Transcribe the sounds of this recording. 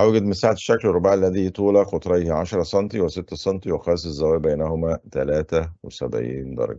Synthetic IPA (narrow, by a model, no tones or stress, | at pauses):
hæwæɡæd̪mɪnsaːʕat̪ʃːæklrˤːobaʕlːæd̪it̪ˤuːlæqot̪ˤɾˤɑjhʕaʃɾˤɑsˤɑnt̪ˤiweset̪ːæsˤɑnt̪ˤiwexæːsˤezːæwæːjbæjnæhomæt̪ælæːt̪æwesæ̰bʕḭːnd̪ɑ̰ɾˤɑ̰ɡ